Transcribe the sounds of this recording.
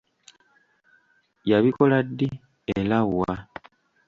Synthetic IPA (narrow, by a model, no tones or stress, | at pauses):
jaβiko̞ladːi | elawwa